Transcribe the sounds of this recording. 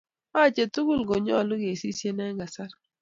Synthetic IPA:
a˦˨t͡ʃe˨tu˦ɡu˦lɡo˨ɲɔ˦˨lʊ˦ɡe˨si˦sje˦nɛ˦ŋɡa˨sa˦ɾ

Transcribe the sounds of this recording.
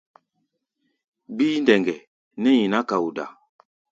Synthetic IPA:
biː˦n˦dɛ˨ŋɡɛ˨ | nɛ˦ji˨na˦ka˨u˨da̰˨

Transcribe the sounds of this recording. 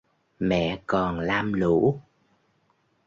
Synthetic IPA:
mɛ̰˧˨kɔ˨˩nlaː˧mlu˧˥˦

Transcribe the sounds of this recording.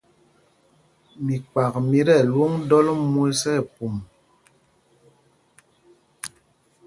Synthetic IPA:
mi˨k͡pa˨kmi˦ɾɛ˦˨lwo˦ŋdɔ˦lmu˦lsɛ˦˨p̚u˨m

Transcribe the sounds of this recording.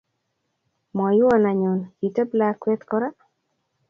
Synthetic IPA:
mɔ˨jʊ˦wa˨na˨ɲo˨nji˨te˦bla˦kwɛ˦t̪kɔ˦ɾa˦

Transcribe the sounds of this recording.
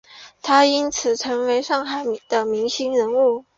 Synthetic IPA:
t̪ʰa˥i˥nt͡sʰɹ̩˨˩t͡sʰɤ˧˥ŋwe˧˥ɪʂɑ˥˩ŋxa˨˩ɪm˨˩d̪ə˦mi˧˥ŋɕi˥ŋɻə˧˥nu˥˩

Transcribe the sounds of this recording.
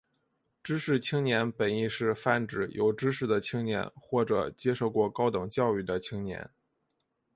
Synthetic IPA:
ʈ͡ʂɻ̩˥ʂɻ̩˥˩t͡ɕʰi˥ŋnjɛ˧˥npə˨˩ni˥˧ʂɻ̩˥˧fa˥˩nʈ͡ʂɻ̩˨˩jo˨˩ʊʈ͡ʂɻ̩˥ʂɻ̩˥˩d̪ə˩t͡ɕʰi˥ŋnjɛ̰˧˥nxwɔ˥˩ʈ͡ʂɤ̰˨˩t͡ɕjɛ˥ʂo˥˧ʊkwɔ˥˩kɑ˥ʊt̪ɤ˨˩ŋt͡ɕjɑ˥˧ʊy˥˩d̪ə˩t͡ɕʰi˥ŋnjɛ̰˧˥n

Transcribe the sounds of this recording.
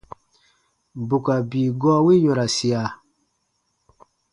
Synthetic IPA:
bu˨ka˨biː˨ɡɔ˦wi˦ɲɔ̃˨ɾa˨si˨a˨

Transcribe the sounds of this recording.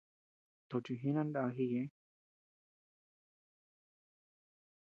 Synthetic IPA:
t̪o˨t͡ʃi˧ɦĩ˦nã˦nda˧˨˧ɦi˦˧jẽ˧˦

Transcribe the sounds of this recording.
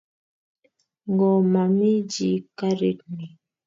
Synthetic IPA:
ŋɡɔ˨ma˨mi˦d͡ʒi˨ka˦ɾḭ˦˨t̚ni˨

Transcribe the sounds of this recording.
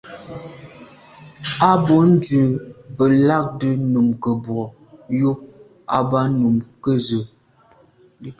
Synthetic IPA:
a˦bo˨˦n̩˦də˨bə˨la˦˨k̚də˨nu˨mkə˨bwɔ˨ | jo˦ | a˨ba˦nu˨mkə˦zə˨

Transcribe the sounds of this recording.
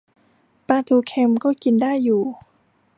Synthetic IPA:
paː˧t̪ʰuː˧kʰe˧mkɔː˥˩ki˧ndaː˥˩jːuː˨˩

